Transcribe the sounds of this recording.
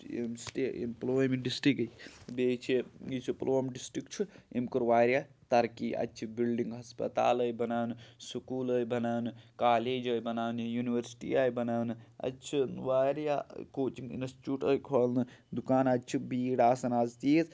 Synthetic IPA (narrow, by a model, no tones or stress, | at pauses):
ḛmsʈeːḛmploːmiɖisʈɾikʰbet͡ʃʰiit͡ʃʰiploːmɖisʈɾikt͡ʃʰuḛmkuɾʋaːɾja | t̪ɐɾkiʔɐ̰t͡ʃʰibilɖiŋɡɦɐspɐ̰t̪a̰ːlɐjbɐnaːwnɨsukuːləjbɐnaːwnɨkaːleːd͡ʒɐjbɐnaːwnjuniʋɐɾsi̥ʈḭaːjbɐnaːwnɨɐ̰tːt͡ʃʰinʋaːɾjakoːt͡ʃiŋɡḭnɐst͡ʃuːʈəːjkʰolnɨd̪ukaːnat͡ʃʰibiːɽaːsɐnaːzt̪is